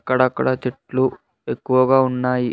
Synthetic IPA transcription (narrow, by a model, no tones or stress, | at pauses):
kːɐɽɐːkːɐɽɐt͡ʃeʈlu | ekːuʋɐɡaːunːaːji